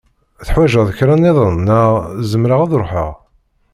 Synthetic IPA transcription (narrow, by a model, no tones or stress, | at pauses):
θħwæʒəʁðəkɾˤaneðˤənːəʁzəmɾaʁaðɾˤoħə̰ʁ